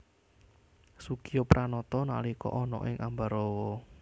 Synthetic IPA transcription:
sukijɔpɾʔanɔt̪ɔna̰likɔ̰ʔɔnɔ̰ʔɪŋʔambaɾɔwɔ

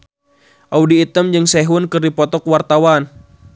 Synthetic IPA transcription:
ʔaudiːt̪əmd͡ʒɨŋsɛɦʊnkɨrdipɔt̪ɔkwart̪awan

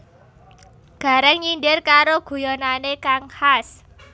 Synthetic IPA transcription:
ɡ̥a̤ɾɛŋɲindɪrkaɾoɡ̥ṳjonanekaŋhas

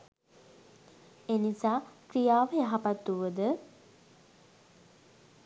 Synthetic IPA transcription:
enisaːkɾijaːʋəjaɦapat̪ːuʋəd̪ə

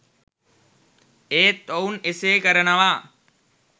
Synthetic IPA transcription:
eːt̪ːowuneseːkəɾɐnɐʋaː

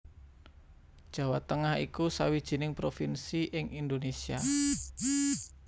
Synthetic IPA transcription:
d̥ʒ̥ä̤wat̪əŋahḭkusa̰wid̥ʒ̥i̤nɪŋpɾofinsiʔɪŋind̪onesia

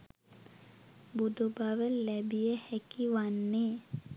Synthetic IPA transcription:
bud̪ubaʋəlɛbijəhækiʋanːeː

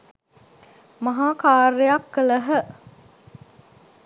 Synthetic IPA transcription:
mɐɦaːkaːrejakːələɦə

